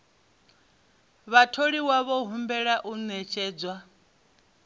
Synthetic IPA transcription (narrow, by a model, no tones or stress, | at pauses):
βatʰoɺiwaβɔɦumbɛɺaʔunɛt͡ʃʼɛːd͡zwa